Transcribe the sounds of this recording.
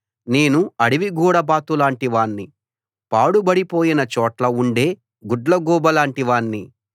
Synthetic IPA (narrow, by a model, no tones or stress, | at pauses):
ne̞ːnuɐɽiʋiɡuːɽɐbaːt̪ulaːɳʈiʋaːnːi | paːɽubɐɽipo̞ːjinɐt͡ʃɔːʈlɐuɳɖe̞ː | ɡuɖlɐɡuːbɐlaːɳʈiʋaːnːi